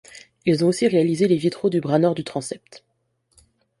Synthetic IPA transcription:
ilzɔ̃osiʁealizelevit̪χod̪ybʁanɔʁd̪yt̪χɑ̃sɛp̚t̪

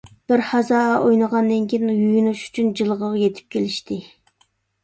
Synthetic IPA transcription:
b̥ɪɾhɑzɑʔojnəʁɑnd̪ɪŋkʲʰinjujunuʃy̥t͡ʃʰynd͡ʒɨlˠʁəʁɑjet̪ʰɪ̥p̚kʲʰelɪʃt̪ɪ

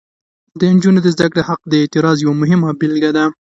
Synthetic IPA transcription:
d̪ənd͡ʒunod̪əzd̪akɽehaq̚d̪əɪt̪ɪɾɑzjawamʊɦɪmabɪlɡad̪a

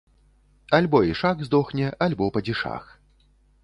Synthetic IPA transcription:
alʲbɔiʂaɣzd̪ɔxnʲɛʔalʲbɔpɐd͡zʲiʂa̰x

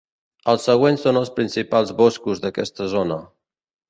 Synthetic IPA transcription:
əlˠsəɣ̞wensonəlˠspɾinsipalˠzβɔskuzðəkɛst̪əzonə

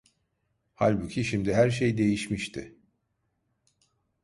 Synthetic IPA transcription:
halʲbucʰʲiʃimd̪iɦæɾʃ̬ejd̪e̞jiʃmiʃt̪ʰɪ

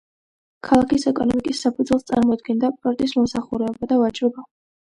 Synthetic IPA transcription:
kʰalˠakʰisɛkʼɔnɔmikʼisːapʰud̪zwɛlˠst̪sʼa̰ɾmɔd̪̚ɡɛnd̪apʼɾɔɾt̪ʼismɔmsaχuɾɛɔbad̪avat͡ʃʼɾɔba

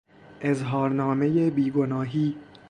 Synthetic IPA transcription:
ʔe̞zɦɒːɾnɒːme̞jebiːɡo̞nɒːɦiː

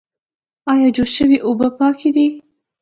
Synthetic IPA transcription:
ɑjɑd͡ʒoɽʃəwiʔobəpɑkʰid̪i

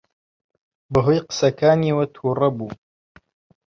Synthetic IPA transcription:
bɐɦoːjqɨ̥sɐkʰaːniwɐt̪ʰuːrɐbuː

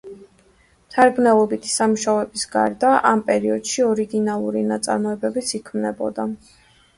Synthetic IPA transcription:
mt̪ʰaɾɡnɛlˠɔbit̪ʰi̥samuʃaɛbisɡa̰ɾd̪aʔampʼɛɾiɔd̪̥ʃiɔɾiɡinalˠuɾinat̪sʼa̰ɾmɔɛbɛbit̪sʰikʰmnɛbɔ̰d̪a

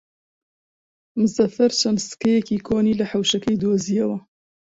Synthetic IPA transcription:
mɨzɐfɐɾt͡ʃɐnsɨ̥kɐjɛkiːkʰoːniːlɨħawʃɐkɐjd̪oːzijɐwɐ

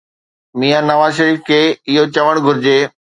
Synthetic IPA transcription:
miːanɐʋaːzʃəɾiːfkʰeːɪɦot͡ɕɐʋəɽ̃ɡʱʊɾɪd͡ʑeː

